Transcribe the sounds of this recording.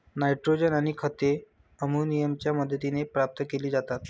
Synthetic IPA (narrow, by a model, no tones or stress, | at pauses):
naiʈɾod͡ʑənaɽ̃ikʰət̪e | əmunijəmt͡ɕjaməd̪ʱːət̪inepɾap̚t̪əkeliːd͡zat̪at̪